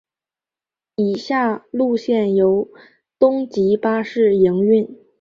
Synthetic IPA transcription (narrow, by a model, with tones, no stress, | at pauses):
i˨˩ɕja˥˩lu˥˧ɕjɛ˥˩njo˧˥ʊ | t̪ʊ˥ŋt͡ɕi˧˥pa˥ʂɻ̩˥˩ji˧˥ŋy˥˩n